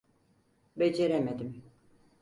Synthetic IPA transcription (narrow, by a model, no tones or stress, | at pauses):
bed͡ʒeɾɛmed̪im